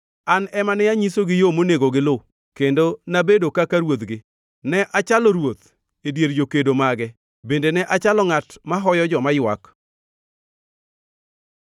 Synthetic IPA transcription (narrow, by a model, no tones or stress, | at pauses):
anɛmanɪjaɲisoɡɪjomoneɡoɡɪlo | kendonabedokakaɾwot̪ɡɪ | nɛʔat͡ʃalɔɾwot̪ | edjeɾd͡ʒokedomaɡɛ | bendenɛʔat͡ʃalɔŋatmaɦɔjɔd͡ʒɔmajwa̰k